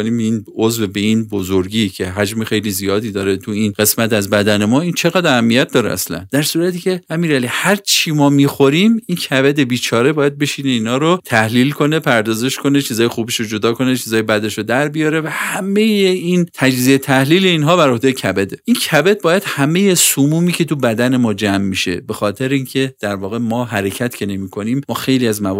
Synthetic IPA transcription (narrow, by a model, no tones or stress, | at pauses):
oniːminozvebe̞inbozoɾɟiːcʰe̞ɦæd͡ʒmexe̞jlizijɒːd̪iːd̪ɒːɾet̪ʰuinɡ̥e̞smæt̪æzbæd̪æne̞mɒːint͡ʃʰe̞ɣæd̪æhæmːijæt̪̚d̪ɒːɾḛæ̰slæ̰nd̪̥æɾsuːɾæt̪ʰiːcʰe̞æmiːɾælihæɾt͡ʃʰiːmɒːmiːxo̞ɾiːmincʰæbed̪e̞biːt͡ʃʰɒːɾe̞bɒːjæd̪̚be̞ʃiːne̞iːnhɒːɾot̪ʰæhliːlkʰo̞nepʰæɾd̪ɒːze̞ʃkʰo̞ne̞t͡ʃʰiːzɒːjexuːbeʃɾod͡ʒo̞d̪ɒːkʰo̞ne̞t͡ʃʰiːzɒːjebæd̪eʃɾod̪æɾbijɒːɾe̞væhæme̞jeint̪ʰæd͡ʒziet̪ʰæhliːle̞iːnɦɒːbæɾo̞hd̪ejecʰæbed̪eʔincʰæbed̪̚bɒːjæd̪̥hæme̞je̞sumuːmiːcʲʰe̞t̪ʰubæd̪æne̞mɒːd͡ʒæmːiʃe̞̰be̞xɒːt̪ʰe̞ɾeiːncʰe̞d̪̥æɾvɒːɣe̞mɒːɦæɾe̞cʰæt̪cʰe̞ne̞miːkʰo̞niːmːɒːxe̞jliæzmæ